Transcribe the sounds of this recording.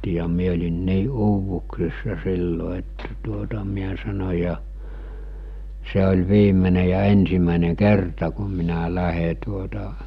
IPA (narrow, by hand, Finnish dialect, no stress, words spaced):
jɑ mie olʲin niː uːʋuksisːɑ silːo etːæ tuotɑ miæ sɑno̟ jɑ se olʲ ʋiːmene jɑ ensimæˑene kertɑ ku minæ læhe tuotɑ